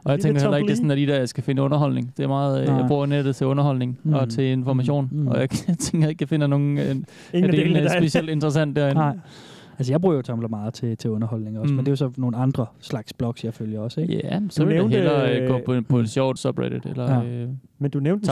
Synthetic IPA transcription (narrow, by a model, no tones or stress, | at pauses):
ɒjɑ̈ɪt͡seŋŋɡ̥ɐelɐeɡ̥e̝sɔnæɐd̥id̥æɐ̰jɑ̈ɪsɡ̥æfe̝nəɔ̽nɐɦɒ̽l̰ne̝ŋd̥e̝æɐmɑ̈ːð̞̩ˠjabʁṵːɐned̥ð̩ˠt͡sʰe̝ɔ̽nɐɦɒ̽l̰ne̝ŋɒ̽t͡sʰe̝e̝nfɒmæɕo̝̰ːnɒ̽jɑt͡sʰeŋɡ̥ɐe̝ɡ̥afe̝nɐno̝ːn̩ | æd̥e̝eːlnssb̥e̝sieldend̥ʁɐsæn̰d̥ːæɐen | æls̬əjɑ̈ɪb̥ʁuːɐjot͡sʰɒ̽mblɐmɑ̈ːð̩ˠt͡sʰe̝t͡sʰe̝ɔ̽nɐhɒ̽l̰ne̝ŋɒ̽smend̥e̝josɒ̽no̝ːn̩ɑ̈nd̥ʁɐslɑ̈ɡ̥sb̥lɒ̽ɡ̥sjɑ̈ɪføljɐɒ̽seɡ̥jæsɒedhelɐøɡ̥ɔ̰̽ɒpʰɒ̽e̝d̥ɕɒʊ̰d̥sɒb̥ʁḛɾ̥ed̥elɐ | mend̥uneʊn̥